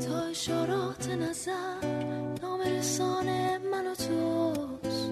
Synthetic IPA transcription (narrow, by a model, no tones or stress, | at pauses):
t̪ʰɔːeʃoɾɔt̪ʰenazaɾnɔːmeɾesɔːnemanot̪ʰo | s